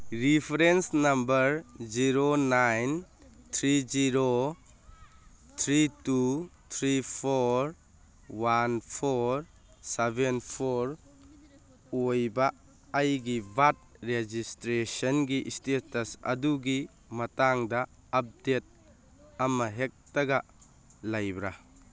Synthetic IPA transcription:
ɾipʰɾensnambəɾziɾonajntʰɾid͡ʒiɾo | t̪ʰɾitut̪ʰɾipʰoɾ | wanpʰoɾ | sebenpʰoɾ | ojbaː | jɡibat̚ɾed͡ʒistɾesɔnɡiʔstetɐsɐ̰duɡi | mɐtaŋdaː | p̚det̚ | amaɦek̚tɐɡa | lajbɾa

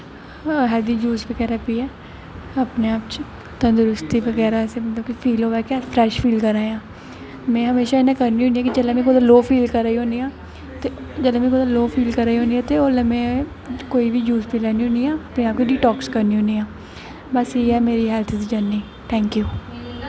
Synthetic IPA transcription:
ɦɛːld̪iːd͡ʒuːsʋəɡɛːɾaːpiːɛː | əpneːaːpt͡ʃ | t̪ənd̪ʊɾʊst̪iːʋəɡɛːɾaɛsemət̪ləb̚kipʰiːloːʋɛːkɛpʰɾɛːʃpʰiːlkəɾaːjãː | mɛ̃ːɦəmeːʃaːɪnãːkəɾniːoːniɦɛːkid͡ʒəlãːmẽːkod̪aloːpʰiːlkəɾaːiɦõːniːãː | t̪ed͡ʒəlãːmẽːkod̪aloːpʰiːlkəɾaːiːɦõːniːãːt̪eːoːlaːmẽː | koːiːʋiːd͡ʒuːspʰiːlaːniːɦõːniːãːəpneːaːp̚kiɖiːʈɔːkskəɾniːɦõːniːãː | bəsiːɛːmeːɾiːɦɛːlt̪ʰd̪id͡ʒaːniː | t̪ʰɛ̃ːŋkjuː

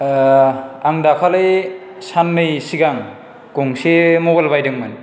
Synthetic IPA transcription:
aŋdakʰalɯj | sanmɯjsiɡaŋ | koŋsemobalbajdɯŋmɯn

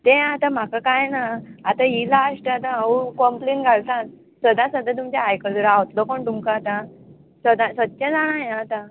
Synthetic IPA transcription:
t̪ɛ̃at̪ãm̤akakajnaːt̪ailaːʂʈəat̪ãaukɔmplenɡʱalt̪ãt̪ | səd̪ʱːãsəd̪ʱːat̪̬umt͡ɕaajkəd̪uɾawt̪lɔkoɳt̪umkaat̪a | səd̪ãsət̪̚t͡ɕad͡zaɽ̃ãɦeat̪a

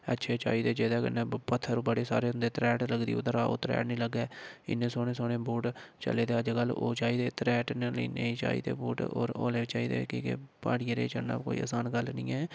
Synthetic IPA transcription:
ətːʃʰeːt͡ʃa̰ːiːd̪eːd͡ʒeːd̪aːkənẽːpət̪ʰːəɾũːbəɽeːsa̰ːɾeːʊ̃nd̪eːt̪ɾɛːʈləɡd̪ḭːʊd̪əɾaːo̰ːt̪ɾɛ̰ːʈnĩːləɡaːɪ̰nːẽːsoːneːsoːɽẽːbuːʈt͡ʃə̰leːt̪eːəd͡ʒɡəlːo̰ːt͡ʃaːiːd̪eːt̪ɾɛːʈneliːnə̰ĩːt͡ʃa̰ːḭːt̪ḛːbuːʈo̰ːɾo̰ːleːt͡ʃaːiːd̪ḛːkiːkepaːɽiːeɾḛːt͡ʃəna̰ːko̰ːḭːa̰ːsaːnɡəlnḭ̃ːɛː

